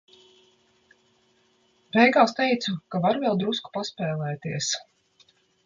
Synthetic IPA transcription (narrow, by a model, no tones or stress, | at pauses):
bɛjɡaːst̪ɛjt̪sukavaɾvɛlˠd̪ɾusku̥paspɛːlˠɛːt̪iəs